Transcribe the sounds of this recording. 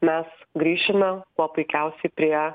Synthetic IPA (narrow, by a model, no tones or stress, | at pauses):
mʲɛsɡɾʲiːʃʲɪmʲɛkuɔpʊɪkʲæˑʊsʲɛɪpʲɾʲiɛ